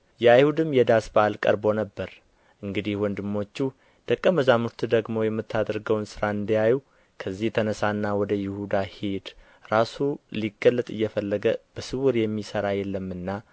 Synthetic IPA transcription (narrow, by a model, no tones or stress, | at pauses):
jɛajhud̪ɨmjɛd̪asbaʔalkʼə̰ɾbo̞nəbːəɾ | ʔɨŋɡɨd̪ihwɔnd̪ɨmːo̞t͡ʃːu | d̪̥əkʼːəməzamuɾt̪ʰd̪əɡmo̞jɛmːɨt̪ːad̪əɾɡəwnsɨɾaɨnd̪əjaju | kʰəzːiht̪ʰənəsanːawɔd̪əjɪhud̪ahed̪ | ɾasuliɡəlːət̪ʼɨjːɛfəlːəɡəb̥əsɨwuɾjɛmːisəɾajɛlːəmːɨnːa